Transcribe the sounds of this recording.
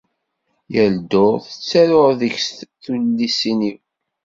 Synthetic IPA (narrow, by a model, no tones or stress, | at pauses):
jæld̪oθət͡sːæɾoɾðəçsθullisiniw